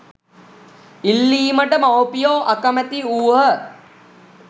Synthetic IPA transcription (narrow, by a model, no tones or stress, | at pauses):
ilːiːməʈəmɐwpijoːʔɐkɐmət̪iuːɦə